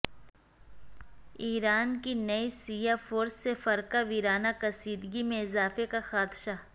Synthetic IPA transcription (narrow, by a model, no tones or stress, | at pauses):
iːɾaːnkinɐisiːjafoːɾsːefɐɾkaʋiːɾaːnakɐsiːd̪ɡimẽɪzaːfekaxaːd̪ʃa